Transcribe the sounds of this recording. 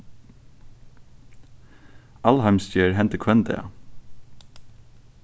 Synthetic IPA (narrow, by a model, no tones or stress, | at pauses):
ʔɑlhæɪmst̪øːɹɦɛnt̪əkʰwɛnd̪ḛɑ̰